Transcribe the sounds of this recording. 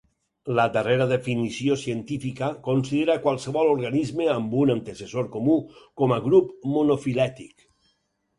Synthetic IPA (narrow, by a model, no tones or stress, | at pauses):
ləd̪əreɾaðefinisiosient̪ifikakonsiðeɾakwalˠseβɔloɾɣanizmeambunant̪esesoɾkomukɔmaɣɾupmonofilɛt̪ik